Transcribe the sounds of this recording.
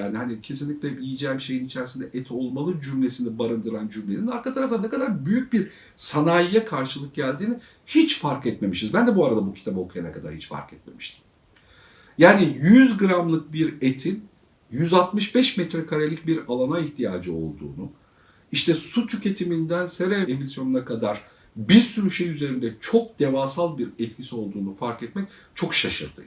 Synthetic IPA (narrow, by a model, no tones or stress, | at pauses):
jaːniɦanicʰe̞s̬inlʲiclʲɛbiljid͡ʒɛːmʃe̞jinit͡ʃʰæɾisind̪ɛʔɛt̪ʰo̞lˠmalˠɯd͡ʒymlʲe̞sinibaɾɯnd̪ɯɾand͡ʒymlʲeninaɾkat̪ʰaɾaft̪anɛkad̪aɾbyjyc̚biɾ | sanaːjijɛkʰaɾʃɯlˠɯk̚ɟælʲd̪iːni | hit͡ʃfaɾkɛt̪me̞miʃizbænd̪ɛbuaɾad̪abucʰi̥t̪ʰabo̞kʰujana̰kʰad̪a̰ɾhit͡ʃfa̰ɾkʰɛt̪̚me̞mi̥ʃt̪ʰi̥m | jaːnijyzɡɯɾamlˠɯk̚biɾet̪ʰin | jyzat̪mɯʃbɛʃmɛt̪ɾɛkʰaɾelʲic̚biɾalˠanaiçt̪ʰijaːd͡ʒɯo̞̰lˠd̪ṵːnu | iʃt̪ʰɛsut̪ʰycʰe̞t̪ʰimind̪ænseɾeemisjo̞nunakʰad̪aɾ̥ | biɾsynʃejyze̞ɾind̪ɛt͡ʃʰo̞k̚d̪̥e̞vaːsalˠbiɾɛt̪̚cʰisio̞lˠd̪uːnufaɾkɛt̪mɛc̚t͡ʃʰo̞kʃaʃɯ̰ɾd̪ɯ̰